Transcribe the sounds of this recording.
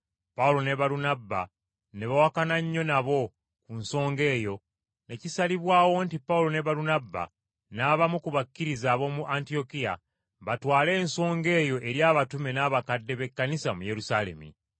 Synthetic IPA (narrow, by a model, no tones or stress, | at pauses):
paulo̞ne̞βaɾunabːa̰ | ne̞βawakanaɲːo̞naβo̞ | kunso̞ːŋɡe̞ːjo̞ | ne̞cisaliβwaːwo̞ntipːaulo̞ne̞βaɾunabːa̰ | naβamukuβakːiɾizaːβo̞muʔantio̞kija̰ | βatwaːle̞ːnso̞ːŋɡe̞ːjo̞ʔe̞ɾjaːβatume̞naːβakadːe̞βe̞kːanisamuje̞ɾusale̞̰mḭ